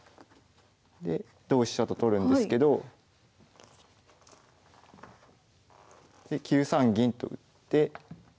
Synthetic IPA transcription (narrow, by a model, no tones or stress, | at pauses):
d̪e̞ | d̪̥o̞ːɕi̥at̪ot̪o̞ɾɯ̟̃nd̪e̞sɨ̥ke̞d̪o̞ | d̪̥e̞kʲɨːsãŋɡʲĩnt̪o̞̰ɯ̟̰t̪ːe̞